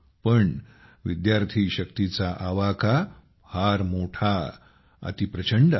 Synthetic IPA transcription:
pəɳ | ʋid̪jaɾt̪ʰiɕəkt̪it͡saʔaʋaka | haɾmoʈʰa | ə̰t̪ipɾət͡ɕəɳɖ

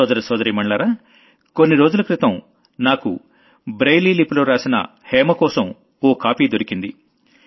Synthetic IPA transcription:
ɔːd̪ɐɾisɔːd̪ɐɾiːmɐɳɭaːɾaː | ko̞nːiɾo̞ːd͡ʒulɐkɾit̪ɐm | naːkṵ | bɾejliːliploːɾaːsinɐ̰ | hɛːmɐkɔːsɐm | ɔːkaːpiːd̪o̞ɾikind̪i

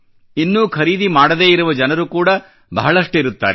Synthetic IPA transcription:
inːuːkʰɐɾiːd̪imaːɽɐd̪e̞ːiɾuʋɐd͡ʒɐnɐɾukuːɽɐ | bɐɦɐɭɐʂʈiɾut̪ːa̰ːɾe

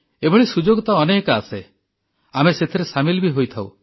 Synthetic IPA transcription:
ebʱɔɭisud͡ʒoɡɔt̪aɔnekase | ameset̪ʰiɾesamilbiɦojt̪ʰaw

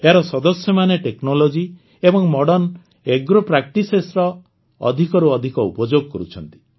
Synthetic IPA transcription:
eaɾɔsɔd̪ɔsjɔmaneʈeknolod͡ʒi | ebɔŋmɔɽɔn | eɡɾopɾak̚ʈisesɾɔ | ɔ̰d̪ʱikɔɾuɔd̪ʱikɔṵpɔd͡ʒoɡkɔɾut͡ʃʰɔnt̪i̥

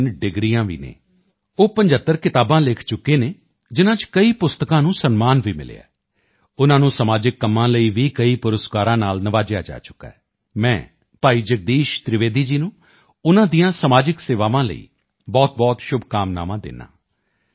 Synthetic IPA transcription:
nɖɪɡɾijãːʋḭːnḛː | oːpəɲd͡ʒət̪ːəɾkɪt̪aːbãːlɪːkʰt͡ʃʊkːeːneː | d͡ʒɪnãːt͡ʃkəiːpʊst̪əkãːnũːsənmaːnʋiːmɪ̰lḛːa̰ː | ʊnãːnũːsəmaːd͡ʒɪkːəmːãːləiːʋiːkəiːpʊɾəskaːɾãːnaːlnəʋaːd͡ʒɪja̰ːd͡ʒa̰ːt͡ʃʊ̥kːa̰ː | mɛ̃ː | paːiːd͡ʒək̚d̪iːʃt̪ɾɪʋeːd̪iːd͡ʒiːnũː | ʊnãːd̪iːãːsəmaːd͡ʒɪkseːʋaːʋãːlə̰ḭː | bɔːt̪̚bɔːt̪ʃʊbʱkaːmna̰ːʋãːd̪ɪ̰nã̰ː

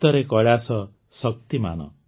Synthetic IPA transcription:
t̪ɔɾekɔɭasɔ | sʌk̚t̪ima̰nɔ̰

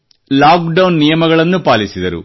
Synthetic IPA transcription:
laːkɖɐwnːijɐmɐɡɐɭɐnːupaːlisid̪ɐɾṵ

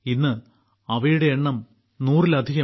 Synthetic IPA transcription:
inːɨ | ɐʋɐjuɽe̞ːɳːɐm | nuːrilɐd̪ʱiɣɐ

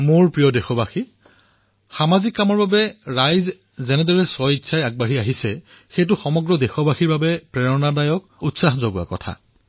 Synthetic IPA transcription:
mʊɹpɹijɔdexɔbaxi | xamazikːamɔɹbabɛɹajz | zɛnɛdɔɹɛsɔjitsʰajaɡ̚baɦiaɦisɛ | xejt̬ʊxɔmɔɡɹɔdexɔbaxiɹbabɛpɹɛɹɔnadajɔkutsaxzoɡua̰kɔ̰tʰa̰

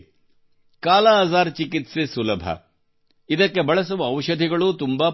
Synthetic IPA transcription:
kaːlɐɐzaːɾt͡ʃikit̪sesulɐbʱɐ̰ | id̪ɐkːe̞bɐɭɐs̬uʋɐɐʋʃɐd̪ʱiɡɐɭut̪umbaː

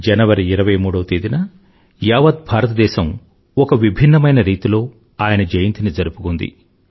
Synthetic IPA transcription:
d͡ʒɐnɐʋɐɾiːɾɐʋɐjmuːɽɐwɐt̪eːd̪inɐ | jaːʋɐd̪̚bʱaːɾɐt̪ɐd̪ɛːʃɐm | ɔkɐʋibʱinːɐmɐjnɐɾiːt̪ilo̞ː | aːjɐnɐd͡ʒɐjɐnt̪inid͡ʒɐɾupukund̪ḭ

